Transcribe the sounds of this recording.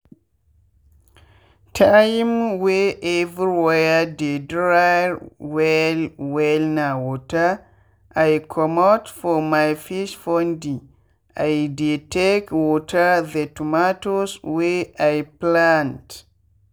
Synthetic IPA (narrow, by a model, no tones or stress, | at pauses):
tʰajmweʔevɹiwɛjadedɾajwɛlwɛlnawɔta | ʔajkʰɔmɔtfɔmajfiʃfɔndi | ajdetekwɔtʰəðətumatosweʔajplãnt